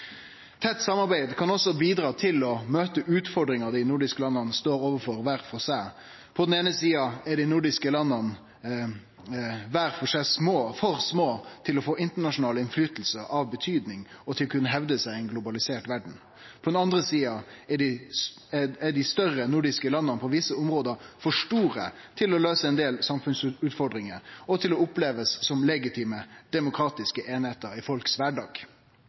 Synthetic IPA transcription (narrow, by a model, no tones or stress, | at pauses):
t̪ʰɛt̪ːsɑmɑɾbæɪd̪kʰɑnɔsːɔbiːd̪ɾɑːt̪ʰɪlɔmøːt̪əʔʉːt̪fɔɖɾɪŋɑd̪ɪnʊɖɪskəlɑnːɑnəst̪oːɾoːʋəfɔɾʋæːɾfɔsæɪ | pʰɔd̪ɛneːnəsiːɑɛɖɪnʊɖɪskəlɑnːɑn | ʋæːɾfɔʂæɪsmoːfɔɾsmoːt̪ʰɪlɔfoːɪnt̪əɳɑʂʊnɑːləɪnflyːt̪əl̩səʔɑʋbət̪ʰyːd̪nɪŋɔt̪ʰɪlɔkʰʉnːəɦɛʋd̪əsæɪæɪnɡlʊbɑlɪseːʈʋæɖɳ̩ | pʰɔd̪ɛnɑnd̪ʁəsiːɑɛɖɪ | æɖɪst̪œʁənʊɖɪskəlɑnːənpʰɔʋɪsəʊmʁoːd̪əɾfɔʂʈuːɾə̰ | t̪ʰɪlɔløːsəɛnd̪eːlsɑmfʉnsʉːt̪fɔɖ̪ɾɪŋəɾɔt̪ʰɪlɔʊpleːʋəsːɔmlɛɡɪt̪ʰiːməd̪̥ɛmʊkʰɾɑːt̪ɪskəʔeːnheːt̪əɾɪfɔlksʋæɖɑːɡ